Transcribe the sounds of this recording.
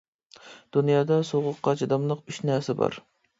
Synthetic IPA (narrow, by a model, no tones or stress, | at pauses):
d̪̥unjɑːd̪ɑsoʁʊqːɑt͡ʃʰid̪ɑmlˠəqyʃnæɾsɛbɑ̰ɾ